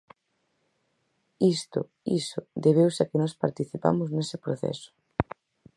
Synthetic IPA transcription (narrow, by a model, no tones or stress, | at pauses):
ist̪ʊ̰ | isʊd̪eβ̞ewsakɪnɔspaɾt̪iθipa̰mʊznesɪpɾoθɛ̰sʊ̥